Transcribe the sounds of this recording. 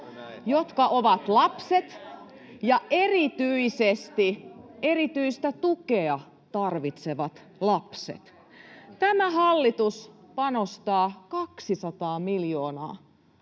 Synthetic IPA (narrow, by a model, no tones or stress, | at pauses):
jot̪kɑʔoʋɑt̪lɑpset̪ | jɑʔerit̪yisest̪ierit̪yist̪æt̪ukeɑ | t̪ɑrʋit̪seʋɑt̪ | lɑpsḛt̪ | t̪æmæhɑlːit̪us | pɑnost̪ɑːkɑksisɑt̪ɑːmiljoːnɑ̰ː